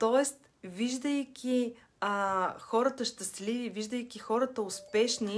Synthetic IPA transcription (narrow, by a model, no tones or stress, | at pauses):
t̪ɔɛst̪ | viʒd̪əjkʲi | əxɔɾət̪əʃt̪ɐsliviviʒd̪əjkʲixɔɾət̪əʊspɛʃni